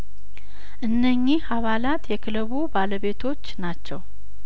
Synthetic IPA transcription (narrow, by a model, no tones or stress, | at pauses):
ʔɨnːəɲːiaβalat̪jɛkʰɨləβubaləβe̞t̪ʰo̞t͡ʃːnat͡ʃːɛw